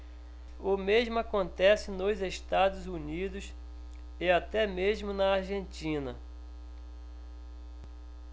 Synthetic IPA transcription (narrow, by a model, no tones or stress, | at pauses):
ʊmezmʊakõnt̪ɛsɪnʊzeʃt̪ad̪ʊzunid̪ʊs | ɪat̪ɛmezmʊnɐaɾʒẽnt͡ʃĩnɐ̰